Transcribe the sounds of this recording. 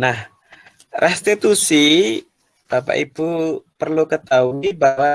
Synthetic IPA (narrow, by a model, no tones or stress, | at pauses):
nah | rʔɛst̪it̪usi | b̪̥apa̰ʔib̥upərlukət̪auibawa